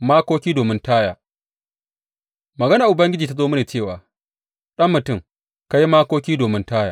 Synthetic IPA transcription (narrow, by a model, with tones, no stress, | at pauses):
maː˦koː˦kʲiː˦doː˨mɪ˦ntaː˦jaː˨ | mɐ˨ɡɐ˦naː˨ʔʊ˨bɐ˦ŋɡʲɪ˦d͡ʒiː˨ta˦zoː˦mʊ˦neː˨t͡ʃeː˦˨waː˨ | ɗɐ˦mːʊ˨tʊ˦˨ŋ | ka˦ji˦maː˦koː˦kʲiː˦doː˨mɪ˦ntaː˦jaː˨